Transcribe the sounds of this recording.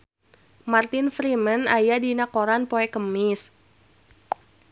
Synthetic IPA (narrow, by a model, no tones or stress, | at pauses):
mart̪ɪnfɾimənajadinakoɾanpoɛkəmɪs